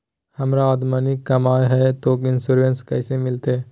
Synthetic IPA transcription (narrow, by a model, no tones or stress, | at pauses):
hɐmɾaɔd̪mənikːɐmaːjɦɛt̪okɪnsuɾʋenskɐɪsemɪlt̪eː